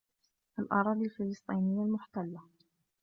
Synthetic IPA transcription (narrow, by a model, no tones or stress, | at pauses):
ʔalʔɑ̰ɾˤɑːd̪ˤialfɪlɨsˤt̪ˤiːnɪjːalmʊħt̪alːa